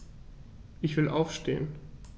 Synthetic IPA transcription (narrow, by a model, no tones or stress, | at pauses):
ʔɪçv̥ɪlʔaʊfʃtḛːən